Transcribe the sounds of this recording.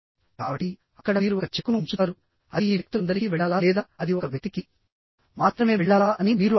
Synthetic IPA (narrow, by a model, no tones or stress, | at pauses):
kaːbɐʈːi | ɐkːɐɽɐmiːɾuɔkɐt͡ʃekːunuɲt͡ʃut̪aːɾu | ɐiiːʋk̚t̪uɐnd̪ɐɾikiʋɛɭːaːlaːlɛːd̪aːɐd̪iɔkɐʋʱɐt̪iki | maːt̪ɾɐme̞ːʋɛɭːaːlaːʔɐnimiːɾu